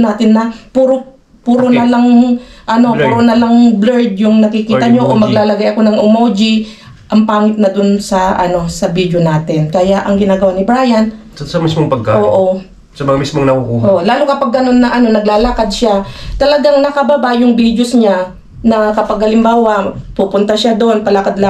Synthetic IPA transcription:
naːt̪ɪnːɐpuɾo | puːɾonɐlaŋʔɐno̞puɾonɐlaŋblɛɹd̪̚jʊŋnɐkɪkiːt̪ɐɲo̞ʔomɐɡlaːlɐɡajʔɐko̞nɐŋʔʊmowd͡ʒi | ʔɐŋpaːŋɪt̪̚nɐd̪onsɐʔɐno̞sɐbid̪jonaːt̪ɪnkɐjaʔɐŋɡɪnaːɡɐwanɪbɾaːjɐn | sɐmismoŋpɐɡ̚kaʔoːʔo̞ | sɐmɐŋamismoŋnɐkukuːoʔlaːlʊkɐpɐɡ̚ːɐno̞nːɐʔɐno̞nɐɡlaːlakad̪̚ʃat̪ɐlɐɡaŋnɐkɐbɐbajʊŋbid̪josɲa | nɐkɐpɐɡɐlɪmbaːwɐpupʊnt̪ɐʃad̪o̞npɐlakad̪̚la

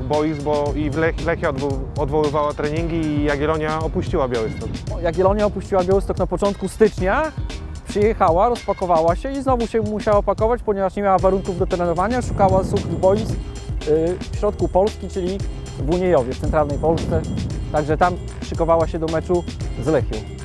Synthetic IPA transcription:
bɔjisbɔivlɛkʲlɛkʲɛɔd̪ɔd̪vɔwɘvawat̪ɾɛɲiŋɡʲijaɡɡʲjɛlɔɲjaɔpuɕt͡ɕiwabʲjawɘst̪ɔkɔjaɡɡʲɛlɔɲjaɔpuɕt͡ɕiwabʲjawɘst̪ɔknapɔt͡ʂɔnt̪kust̪ɘt͡ʂɲapʂɘjɛxawaɾɔspakɔvawaɕɛiznɔvuɕɛmuɕawaɔpakɔvat͡ɕpɔɲɛvaʂɲemʲjawavaɾuŋkuvd̪ɔt̪ɾɛnɔvaɲaʂukawasuxɣbɔjisk | fɕɾɔt̪̚kupɔlskʲit͡ʂɘlʲi | vuɲejɔvʲjɛft̪sɛnt̪ɾalnɛjpɔlst̪sɛt̪aɡʐɛt̪am | pʂɘkɔvawaɕɛd̪ɔmɛt͡ʂuzlɛxʲjɔw

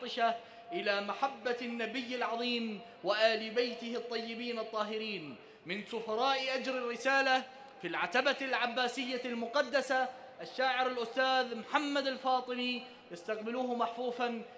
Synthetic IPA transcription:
ɪʃa | ʔɪlaːmaħabːanːabɪjːɪlʕɑðˤiːm | wɪʔaːlɪbajt̪ɪhɪt̪ˤːɑjːɪbiːnɑt̪ˤːɑːɦɪɾiːn | mɪnsʊfɑɾˤɑːʔʔad͡ʒɾɪrːɪsaːla | filʕat̪abalʕabːaːsɪjːalmʊqɑd̪ːasa | ʔaʃːaːʕɪɾalʔʊst̪aːðmħamːad̪alfɑːt̪ˤɨni | jast̪aqbɪluːhmaħfuːfan

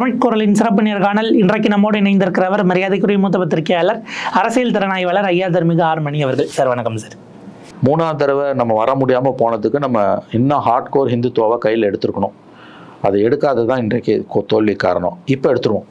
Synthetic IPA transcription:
tɐmɪʈ̚koːɾɐlɪnsɪɾɐp̬ːɯɳɪjɐɾkaːnɐlɪndrɐkːɯnɐmːoːɽɯnɐɪnd̪ɪɾɯkːɪɾɐʋɐɾmɐɾɪjaːðɐɪkːɯɾɪjmuːt̪̬ːɐbɐt̪ːɪɾkɐjaːlɐɾɐɾɐsɪjɐlt̪ɪɾɐnaːjʋɐːlɐɾɐjːaːd̪ɐɾmɪɣɐaːɾmɐɳiɐʋɐɾɣɐɭsaːɾʋɐnɐkːɐmsaːɾ | muːnaːd̪ɐɾɐʋɐnɐmːɐʋɐɾɐmʊɽɪjaːmɐpoːɳɐðɯkːɯnɐmːɐɛnːɐ̃haːɾʈkoːɾɦɪnd̪ɯt̪oːʋɐkɐjːɪlɛɽɯt̪ːɯɾɯkːɐɳʊ̃ | ɐðɯɛɽɯkːaːðɐt̪ãːɪndrɐkːɯkːt̪oːɭːikːa̰ːɾɐɳʊ̰̃ɪpːoɛɽɯt̪ːɯɾɯʋõ

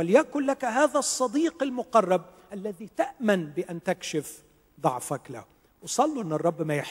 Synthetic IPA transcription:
walɪjaʔkʊlːakaɦaːðasˤːɑd̪iːqɪlmʊqɑrˤːɑb̚ʔalːaðit̪aʔmanbɪʔant̪akʃɪf | d̪ˤɑʕfakla̰h | wsˤɑlːuʔɪnːɑrˤːɑbːmajɪħ

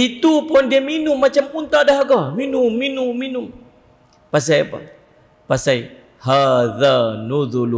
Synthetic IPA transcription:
it̪upʊndiaminʊmːat͡ʃamunt̪aʔdaɦaɡaminʊmːinʊmːinʊm | pas̬ajpa̰ | pasaj | haðanuðul

